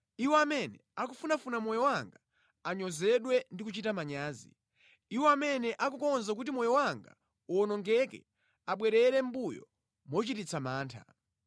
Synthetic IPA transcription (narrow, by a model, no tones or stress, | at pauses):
iwɛamɛnɛakufunafunamɔjɔwaŋɡa | aɲɔzɛɗwɛndikut͡ʃitamaɲaːzḭ | iwɔamɛnɛʔak̬ukɔnzak̬ut̬imɔjɔwaŋɡa̰ | uɔnɔŋɡɛkɛ̰ | aɓwɛɾɛɾɛm̩bujɔ̰ | mɔt͡ʃitit͡sʰamaːntʰa̰